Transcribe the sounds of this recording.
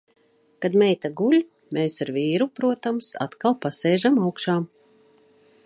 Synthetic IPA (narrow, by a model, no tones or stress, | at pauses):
kad̪mɛjt̪aɡulʲ | meːsaɾviːɾupɾuɔt̪amsa̰t̪kalˠpasɛːʒamawkʃaː